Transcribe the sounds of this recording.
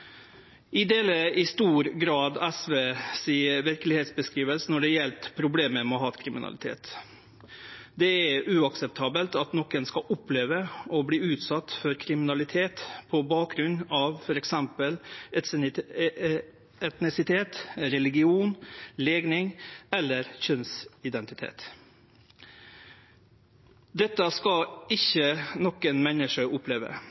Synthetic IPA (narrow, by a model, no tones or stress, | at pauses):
ʔɪd̪eːləɪst̪uːɾɡɾɑːd̪ɛsʋeːsiːəɾʋɪɾklɪheːt̪sbəskɾiːʋəlsənɔɖɛjɛlt̪pʰɾʊbleːməmɛɔɦɑːt̪kʰɾɪmɪ̰nɑ̰lɪt̪ʰḛːt̪ | d̪ɛæɾʉːɑksɛp̚t̪ʰɑːbəlt̪ɑt̪nɔkːənskɑʔʊpʰːleːʋəɔbliːʉːt̪sɑt̪ːfɔɾkʰɾɪmɪnɑlɪt̪ʰeːt̪pʰɔbɑːk̚ɡɾʉnɑʋfɔɾɛksɛmpəlɛt̪ | ɛt̪nɪsɪt̪ʰeːt̪ɾɛlɪɡɪuːnleːɡnɪŋɛlːəɾçœnsɪd̪ɛnt̪ɪt̪ʰḛːt̪ | d̪ɛt̪ːəskɑɪçənɔkːənmɛnəʂəʔʊpleːʋə̰